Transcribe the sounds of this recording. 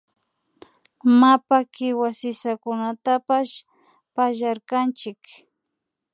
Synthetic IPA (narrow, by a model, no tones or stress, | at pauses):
mapakɪwasɪsakʊnat̪apaʃ | paʒaɾkant͡ʃɪk